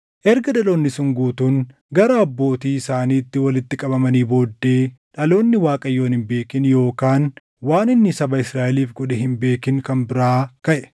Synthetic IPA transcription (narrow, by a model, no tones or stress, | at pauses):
ʔɛɾɡɐᶑɐlo̞ːnːɪsʊŋɡuːt̪uːn | ɡɐɾɐɐbːo̞ːt̪iːɪsaːniːt̪ːɪwɐlɪt̪ːɪkʼɐbɐmɐniːbo̞ːd̪ːe̞ːᶑɐlo̞ːnːɪwaːkʼɐjːo̞ːnɪmbe̞ːkɪnjo̞ːkaːn | waːnɪnːɪsɐbɐɪsɾaːʔɛliːfɡʊᶑɛhɪmbe̞ːkɪŋkɐmbɪɾaːkɐʔɛ̥